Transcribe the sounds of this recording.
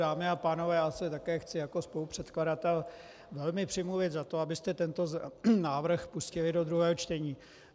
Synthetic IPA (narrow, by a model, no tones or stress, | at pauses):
aːmɪapaːno̞vɛːasɛt̪akɛːxt͡sɪjako̞spo̞lupr̝̥ɛt̪kladat̪ɛl | vɛlmɪpr̝̥ɪmluvɪt̪zat̪o̞abɪst̪ɛt̪ɛnt̪o̞znaːvr̩xpuscɪlɪdo̞d̪ɾuɦɛːɦo̞t͡ʃt̪ɛɲiː